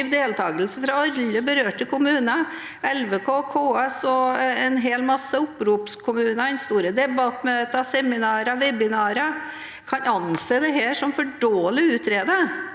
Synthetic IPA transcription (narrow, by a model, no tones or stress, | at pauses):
ʋd̪eːlt̪ʰɑːɡəlsəfɾɑɑlːəbəɾøːʈəkʰʊmʉːnə | ɛlʋekʰoːkʰoːɛsɔɛnɦeːlmɑsːəʊpɾuːpskʰʊmʉːnɑɛnst̪uːɾəd̪ɛbɑt̪møːt̪əsɛmɪnɑːɾəʋɛbɪnɑːɾə | kʰɑnɑnseːd̪ɛɦeːʂɔmfɔɖoːəlɪʉːt̪ɾeːd̪ə